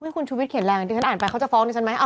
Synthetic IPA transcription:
mɯ˥˨˩kʰu˧nt͡ɕʰuː˧wi˦t̪̚kʰi˩˦nlɛː˧k̪i˧˩a˦˥nʔːnpa˧jkʰa˥˩t͡ɕa˨˩fɔː˦˥ndi˧t͡ɕʰa˦˥nma˦˥jʔa˧˩

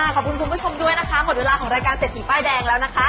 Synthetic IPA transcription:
aː˧˩kʰɔː˨˩p̚ku˧nkʰu˧pʰu˥t͡ɕʰo˧mdu˥˩əjna˦˥kʰa˦˥mo˨˩t̪̚weː˧laː˧kʰɔː˩˦ŋɾaː˧jkaː˧nse˨˩t̪̚sʰiː˩˦˩paː˥˩jdɛː˧ŋlɛː˦˥wna˦˥kʰa˦˥

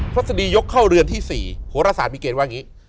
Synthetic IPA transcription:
pʰɾa˦˥t̪̚sa˧diː˧jo˦˥kʰːa˥˩wɾɯ˧ənt̪ʰiː˥˩sḭː˨˩huː˩˦ɾa˧saː˩˦miː˧keː˧nwaː˥˩ŋiː˦˥

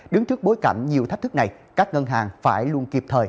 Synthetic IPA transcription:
ɗɨ˨˦ŋt͡ɕɨ˦˥ək̚ɓo˨˦jka˧˩ŋ̟ɲi˨˩əwt̪ʰk̚t̪ʰɨ˦˥k̚na˨˩j | kaː˦˥k̚ŋə˧nɦaː˨˩ŋfaː˧˩jlu˧ənki˨˩əp̚t̪ʰəː˨˩j

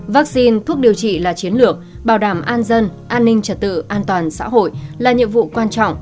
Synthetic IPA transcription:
va˦˥k̚si˧nt̪ʰu˦˥ək̚ɗi˨˩əwt͡ɕḭ˧˨laː˨˩t͡ɕi˨˦ənlɨ˨˩ək̚ | ɓaː˧˩wɗaː˧˩mʔaː˧nzə˧nʔaː˧nːï˧ŋ̟t͡ɕə˨˩t̚t̪ɨ̰˧˨ʔaː˧nt̪waː˨˩nsa̰ː˧˥ɦo̰˧˨jlaː˨˩ɲḭ˧˨ənvṵ˧˨kwaː˧nt͡ɕɔ̰˧˨wŋ͡m

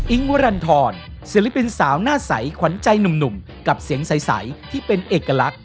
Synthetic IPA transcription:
ʔi˦˥ŋwa˦ɾa˧nt̪ʰɔː˧nsi˨˦li˦˥pi˧nsaː˩˦wnaː˥˩sa̰˩˦jkʰwa˩˦nt͡ɕa˧jnu˨˩mnu˨˩m | ka˨˩p̚si˨˩˦əŋsa˨˩˦jsa̰˩˦jt̪ʰiː˥˩pe˧nʔeː˨˩kːa˧la˦˥k̚

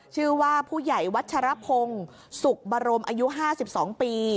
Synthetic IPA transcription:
t͡ɕʰɯː˥˩waː˥˩pʰuː˥˩ja˨˩jwa˦˥t̪̚t͡ɕʰa˧ɾa˦˥pʰo˧ŋ | su˨˩k̚baː˧ɾo˧mʔaː˧ju˦˥ɦaː˥˩si˨˩p̚sɔː˩˦ŋpiː˧

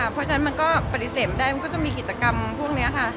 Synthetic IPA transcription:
a˥˩pʰɔ˦˥t͡ɕʰna˦˥nma˧nkɔː˥˩pa˨˩t̪i˧˩seː˨˩m̚daː˥˩jma˧nkɔː˥˩t͡ɕɔ˧˩ŋmiː˧ki˨˩t̪̚t͡ɕa˧ka˧mpʰu˥˩əŋni˦˥ɐkʰa˥˩

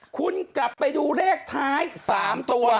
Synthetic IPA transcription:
kʰu˧nkla˨˩pːa˧jduː˧ɾeː˥˩k̚t̪ʰaː˦˥jsaː˩˦mt̪u˧ɐ

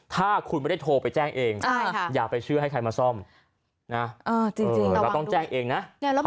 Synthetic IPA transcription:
t̪ʰaː˥˩kʰu˧nm˥˩da˥˩t̪ʰoː˧pa˧jt͡ɕɛː˥˩ŋʔeː˧ŋʰaː˥˩jaː˨˩k̚pa˧jt͡ɕʰɯ˥˩ɦa˥˩jkʰa˧jmaː˧sɔ˥˩m | na˦˥ʔɤː˧˩t͡ɕiː˧t͡ɕi˧ŋkɔ˥˩t̪ɔ˥˩ŋt͡ɕɛː˥˩ŋʔeː˧ŋna˦˥ʔŋ˥˩˦

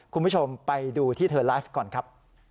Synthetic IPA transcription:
kʰu˧npʰu˥t͡ɕʰo˧mpa˧jduː˧t̪ʰiː˥˩t̪ʰɤː˧laː˦˥fkɔː˨˩nkʰɾa˦˥p̚

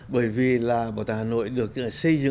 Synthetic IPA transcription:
ɓəː˧˩jvi˨˩laː˨˩ɓaː˨˩wt̪aː˧˩haː˨˩no̰˧˨jɗɨ˨˩ək̚ːsə˧jzɨ̰˧˨

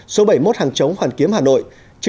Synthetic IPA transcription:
so˨˦ɓə˧˩jmo˦˥t̚haː˨˩ŋt͡ɕə˨˦wŋ͡mhwaː˨˩nki˨˦əmhaː˨˩no̰˧˨j | t͡ɕɨ˧˥

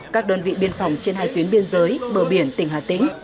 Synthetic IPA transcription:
kaː˦˥k̚ɗəː˧nvḭ˧˨ɓi˧˩ənfa˧˩wŋ͡mt͡ɕe˧nhaː˧jt̪wi˨˦ənɓi˧ənzəː˨˦jɓəː˧˩ɓi˧˩ənt̪ï˧˩ŋhaː˨˩t̪ḭ̈˧˥ŋ̟

